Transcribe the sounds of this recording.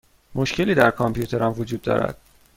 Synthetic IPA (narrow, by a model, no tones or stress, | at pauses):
mʔo̞ʃce̞liːd̪æɾkʰɒmpʰjuːt̪ʰe̞ɾɒmvod͡ʒuːd̪ːɒ̰ːɾæ̰d̪̥